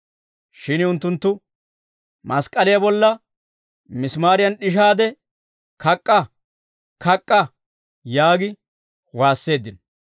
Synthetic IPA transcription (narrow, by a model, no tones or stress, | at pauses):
ʃɪnʊnt̪ːʊnt̪ːʊ | mɐskʼɐlɪjɐbɔlːɐ | mɪsmaːɾɪjɐnɗɪʃaːd̪ɛ | kʰɐkʼːɐ | kʰɐkʼːɐ | jaːɡɪ | waːsːe̞ːd̪ːɪn